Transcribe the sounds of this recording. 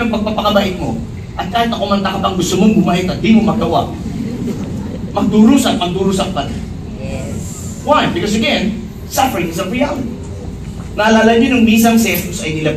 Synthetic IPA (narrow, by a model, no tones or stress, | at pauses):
ɐŋpɐɡ̚pɐpɐkɐbaːʔɪt̪̚mo̞ | ʔɐt̪̚kaːhɪt̪ːɐkomɐnt̪ɐkɐpɐŋɡʊst̪omoŋbʊmahɛt̪ɐn̚d̪imomɐɡ̚ɡɐwaʔ̚ | mɐɡ̚d̪uɾuːsɐt̪̚mɐɡ̚d̪uɾusap̚ːɐn | wanbɪkos̬ɐɡɛn | sɐfɛɹɪŋɪsɐpɹiaw | nalaːlɐɡɪnʊŋmiːsɐŋsɛst̪ʊsɐjnɪla